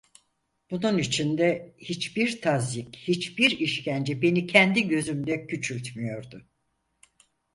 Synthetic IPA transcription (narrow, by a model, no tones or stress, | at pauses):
b̥ununit͡ʃʰind̪ɛhit͡ʃbiɾt̪ʰazichit͡ʃbiɾiʃcʰænd͡ʒɛbe̞nicʰɛnd̪iɟø̞zymd̪ɛcʰyt͡ʃʰylʲt̪mijo̞ɾd̪ʊ